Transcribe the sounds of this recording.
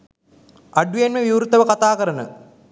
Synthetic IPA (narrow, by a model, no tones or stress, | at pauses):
aɖujenʋeʋiʋɾut̪ːəʋəkat̪aːkəɾənə